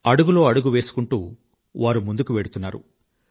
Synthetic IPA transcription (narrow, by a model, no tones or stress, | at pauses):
ɐɽuɡulo̞ːɐɽuɡuʋe̞ːsu̥kuɳʈṵː | ʋaːɾumund̪ukuʋeːɽut̪unːaːɾṵ